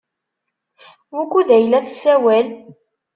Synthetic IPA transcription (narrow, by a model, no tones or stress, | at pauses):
wækːuðæjlæθsæwæl